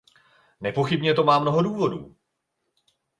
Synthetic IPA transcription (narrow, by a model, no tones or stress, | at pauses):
nɛpo̞xɪbɲɛt̪o̞maːmno̞ɦo̞duːvo̞dṵː